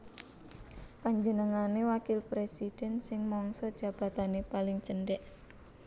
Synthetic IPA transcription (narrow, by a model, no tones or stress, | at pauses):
paɲd͡ʒənəŋanewakɪlpɾesid̥ɛnsɪŋmɔŋsɔd̥ʒ̥a̤b̥a̤t̪anepalɪŋt͡ʃəɳɖɛʔ